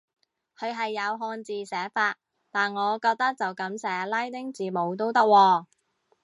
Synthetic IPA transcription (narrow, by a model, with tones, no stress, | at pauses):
kʰɵ˨˧ɥɦɐ˨jːɐ˨˧wɦɔː˧nt͡siː˨sɛː˨˥faː˧t̚ | t̪aː˨nŋɔː˨˧kɔː˧k̚t̪ɐ˥k̚t͡sɐ˨wkɐ˨˥msɛː˨˥laː˥jt̪ɪ˥ŋt͡siː˨˩mo˨˧wt̪o˥wt̪ɐ˥k̚wɔː˧